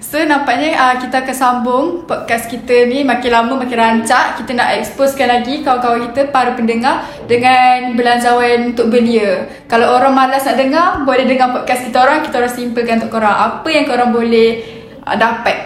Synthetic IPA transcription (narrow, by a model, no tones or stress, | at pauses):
sonampaʔɲəəkit̪əakansambʊŋpɔt̚kaskit̪ənimakɪnlaməmakɪnɾaɲt͡ʃaʔkit̪əna̰ʔɛksposkanlaɡikakawakit̪əpaɾupəndəŋar | dəŋanbəlaɲd͡ʒawanunt̪ʊʔ̚bəliə | kalawoɾaŋmalasnaʔdəŋarbolɛhdəŋapɔd̚kaskit̪əoɾaŋki̥t̪aoɾusimpəlkanut̪ʊʔkoɾaŋʔa̰pəjaŋkəoɾaŋbolɛh | dapat̪̚